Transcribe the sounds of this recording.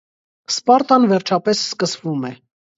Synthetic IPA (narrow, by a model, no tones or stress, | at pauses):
spɑɾt̪ɑnvɛɾt͡ʃʰɑpɛsskəsvumɛ